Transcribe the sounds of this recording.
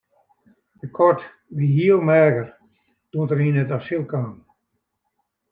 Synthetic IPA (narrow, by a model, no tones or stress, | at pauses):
dəkʰɔrt | ʋiɦiəlˠmɛːɡər | d̥uəntərinətasilˠkaːn